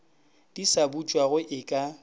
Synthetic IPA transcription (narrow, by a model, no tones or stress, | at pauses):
d̥isabut͡ʃʼwaɣʊʔɪkʼa